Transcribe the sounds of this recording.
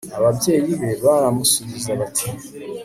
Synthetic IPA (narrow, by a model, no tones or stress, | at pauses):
aβabje̞ːjiβe̞βaɾamusuβizaβatʰi̥